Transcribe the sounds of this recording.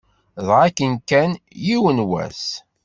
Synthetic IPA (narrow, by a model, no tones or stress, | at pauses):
ðʁakːənkænjiwənwæ̰s